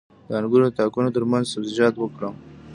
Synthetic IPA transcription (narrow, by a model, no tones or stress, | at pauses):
d̪əanɡuɾod̪ət̪ɑkunot̪əɾmanzsabzɪd͡ʒɑt̪wəkɽəm